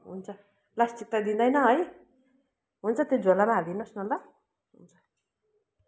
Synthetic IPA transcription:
ɦṵnt͡sʰʌ | last͡sik̚t̪ad̪ind̪ʌjnʌɦʌj | ɦunt͡sʰʌt̪od͡zolamaɦalinʌsnʌlt̪ʌ | ɦunt͡sʰʌ̥

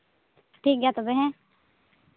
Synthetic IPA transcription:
ʈʰiːk̚ɡat̪obeɦɛ̃

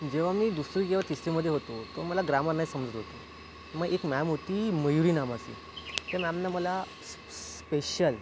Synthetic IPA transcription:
d͡ʑeʋ̤amiːd̪usɾiːkeʋat̪isʈ̪iməd̪ʱjeɦot̪ot̪oməlaɡɾaməɾnaisəmd͡zət̪ɦot̪o | məɡekmæmɦot̪iːməjuɾiːnamasḭː | t̪amæmnaməla | s | speɕəl

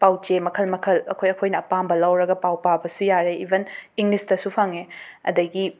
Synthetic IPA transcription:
pawt͡ʃemɐkʰɐlmɐkʰɐlɐ̰kʰojɐkʰojnɐːpambɐlɐwɾɐɡɐpawpabɐsujaɾeibʱeniŋlistɐsupʰɐŋeɐ̰dɐɡi

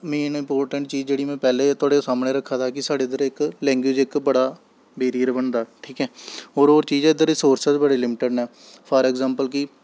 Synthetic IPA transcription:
mẽːnɪmpoːɾʈəɳʈ̚t͡ʃiːd͡ʒd͡ʒeːɽiːmɛ̃ːpɛːleːt̪ʰʊaːɽeːsaːmɳeːɾəkʰːaːt̪ʰaːkɪsaːɖeːɪd̪əɾɪklɛ̃ːŋɡwɪːd͡ʒɪkbəɽaː | beːɾiːəɾbəɳd̪aːʈʰiːkɛːɦoːɾoːɾt͡ʃiːd͡ʒɛːɪd̪əɾisoːɾsəsbəɽeːlɪmɪʈəɖɛː | pʰəɾɛːɡzãːmpəlkɪ

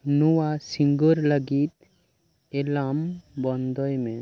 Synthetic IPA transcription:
nuwasiŋɡɔɾləɡit̪̚ | ɛlambɔnd̪ɔjmɛ

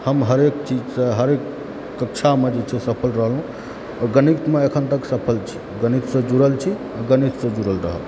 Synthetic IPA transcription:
həmɦəɾekt͡ʃid͡ʒsəɦəɾekː | əkt͡ʃʰamed͡ʒet͡ʃʰɛsəpʰəlɾəɦəlɦũ | ɔɡənikt̪meekʰənt̪əksəpʰəlt͡ʃʰi̥ | ɡənit̪sə̃d͡ʒuɾəlt͡ʃʰi | ɡənit̪sə̃d͡ʒuɾəlɾə̰ɦə̰l

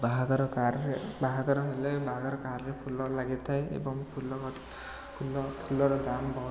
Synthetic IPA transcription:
baɦaɡɔɾɔkaɾbaɦaɡɔɾɔɦelebaɦɡɔɾɔkaɾɾepʰulɔlaɡit̪ʰaeḛbɔŋpʰulɔ | pʰulɔpʰulɔɾɔd̪ambɔɦ

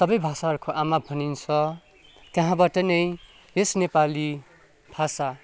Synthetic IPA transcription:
sʌbʌjbʱasaɦʌɾkʰoʔamabʱʌnint͡sʰʌ | t̪jʌɦãbaʈʌnʌj | jesnepali | b̥ʱasa

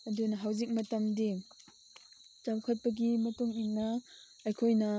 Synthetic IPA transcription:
ɐdunɐɦawzik̚mɐtɐmdi | t͡ʃawkʰɐt̚pɐk̬imɐtuŋinːɐː | jkʰojnɐ

